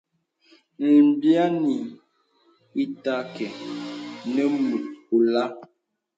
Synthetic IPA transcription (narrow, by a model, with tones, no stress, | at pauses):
n̩˨m˨˦bja˦ni˨ | i˦ta˦kɛ˨ | nə˦mu˨t̚u˨la˦